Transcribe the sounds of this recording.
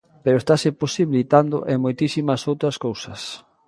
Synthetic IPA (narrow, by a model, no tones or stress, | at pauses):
peɾoest̪aseposiβilit̪and̪ʊ̰ʔemojt̪isimɐsowt̪ɾɐskowsɐs